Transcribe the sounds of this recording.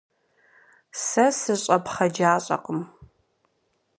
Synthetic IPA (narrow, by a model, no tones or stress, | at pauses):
sɐsɨɕʼɐpχɐd͡ʒaːɕʼɐ̰qəm